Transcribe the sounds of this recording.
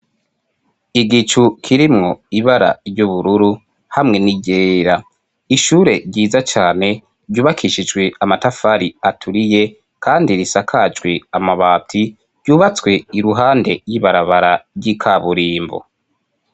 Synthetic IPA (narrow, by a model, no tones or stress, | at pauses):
iɡit͡ʃukʰiɾimŋo̞iβaɾa̰juβuɾuɾu | hamŋe̞niɟeɾa | iʃuːɾe̞ɾɟiːzat͡ʃaːne̞ | ɾɟuːβakʰiʃid͡ʒɡwe̞amatafaɾiatʰuɾije̞ | kʰaːndiɾisakʰad͡ʒɡweamaβaːtʰi | ɾɟuːβat͡swe̞iɾuɦaːnde̞ɾjiβaɾaβaɾaɾjikʰaβuɾiːmbo̰